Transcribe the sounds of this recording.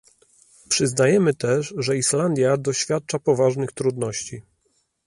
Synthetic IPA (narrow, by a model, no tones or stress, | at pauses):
pʂɘznajɛmɘt̪ɛʂʐɛiʂland̪ʲjad̪ɔɕfʲjat̪̚t͡ʂapɔvaʐnɘxt̪ɾud̪nɔɕt͡ɕi